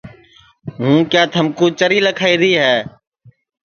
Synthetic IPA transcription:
ɦũːkjaːt̪ʰəmkũːt͡ʃəɾiːləkʰaːiːɾiːɦɛː

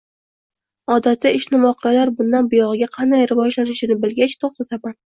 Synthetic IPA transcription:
ɒd̪at̪ːaɪʃnɪvɒqɨjalaɾbʊnd̪anbʊjɒʁɨɡʲaqʰɑnd̪ajɾɪvɒd͡ʒlanɪʃɪnɪbɪlɡʲat͡ʃt̪ʰoχt̪at̪aman

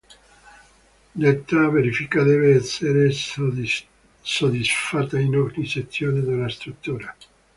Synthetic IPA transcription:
let̪ːaveɾifikad̪eveɛsːeɾe | sod̪isfat̪ːainɔɾɲiset̪sːjoːned̪elast̪ɾut̪ːuːɾa

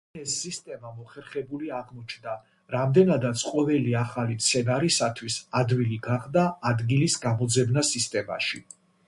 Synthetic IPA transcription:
ɛsːist̪ʼɛmamɔχɛɾχɛbuliaʁmɔt͡ʃʰnd̪a | ɾamd̪ɛnad̪at̪sʰqʼɔvɛliaχalimt̪sʰɛnaɾisat̪ʰwisad̪wiliɡaχd̪aːd̪ɡilisɡamɔd̪zɛbnasist̪ʼɛma̰ʃi

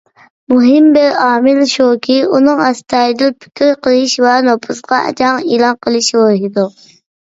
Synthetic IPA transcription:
muɦɪmbɛɾɑːmɪlʃokʲʰiunɨŋɑst̪ʰɑːd̪ɪlpʰi̥kʲiɾqʰəlˠɪʃvɛnopʰusqɑʔɛ̰d͡ʒɑŋilˠɑnqʰəlˠɨʃboɾɦid̪u

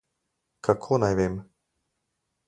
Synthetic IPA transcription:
kʰakʰoːnajʋeːm

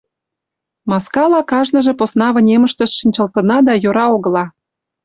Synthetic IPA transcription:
mɑskɑlɑkɑʒnə̆ʒĕposnɑβə̆nʲemə̆ʃt̪ə̆ʃʃinʲt͡ɕə̆lt̪ə̆nɑd̪ɑjoɾɑoɣə̆lɑ

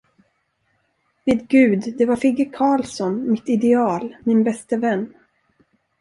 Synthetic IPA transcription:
ved̪ɡʉ̟ːd̪d̪ɛvaɾfɪɡəkʰɑːlsɔnmɪt̪ɪd̪ɛɑːlmɪnbɛst̪əvɛnː

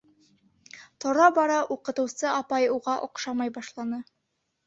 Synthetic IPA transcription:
t̪ŏɾɑbɑɾɑʔuqɤ̆t̪ɤ̆wsɤɑpɑjuʁɑʔŏqʃɑmɑjbɑʃlˠɑnɤ

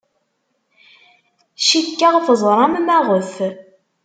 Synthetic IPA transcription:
ʃikːæʁfəzˤɾˤɑmmæʁəθ

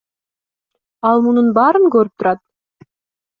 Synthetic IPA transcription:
ɑlˠmununbɑːɾɯŋkøɾyp̚t̪uɾɑt̪̚

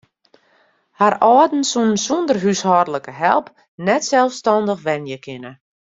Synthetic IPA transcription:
harɔːdn̩sunənsundərɦyshɔrdələkəɦɛ̰lˠp | nɛtsɛlˠfstɔndəxʋɛnjəkʰɪnə

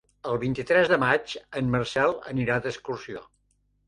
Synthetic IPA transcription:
əlˠβint̪it̪ɾɛzðəmad͡ʒənmərsɛlˠə̰niɾad̪əskursio̰

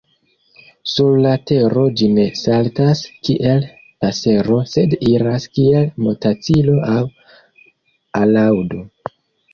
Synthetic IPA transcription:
suɾlate̞ɾo̞d͡ʒine̞saltaskiʔe̞l | pase̞ɾo̞se̞diɾaskie̞lmo̞tat͡silo̞aw | alawdo̞

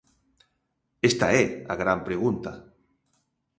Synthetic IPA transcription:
est̪aɛa̰ɣɾampɾeɣ̞unt̪a

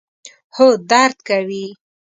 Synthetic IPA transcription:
hod̪aɾd̪kawi

